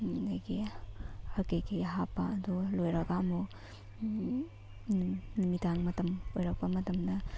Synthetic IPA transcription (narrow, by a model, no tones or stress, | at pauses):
ɡajɡi | hɐɾkejkiɦapːaɐdulojɾɐɡaɐmu | nimitaŋmɐtɐmojɾɐk̚pɐmɐtɐmdɐ